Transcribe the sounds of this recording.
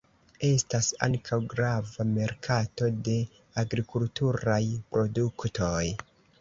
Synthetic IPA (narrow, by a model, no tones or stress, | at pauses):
e̞stasa̰ŋkʰawɡɾavame̞ɾkʰato̞de̞ | aɡɾikultuɾajpɾo̞duktʰo̞j